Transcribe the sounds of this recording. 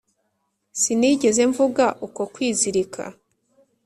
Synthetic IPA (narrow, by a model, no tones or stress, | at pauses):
siniɟe̞ze̞ɱvuɡaʔuko̞kwiːziɾikʰa̰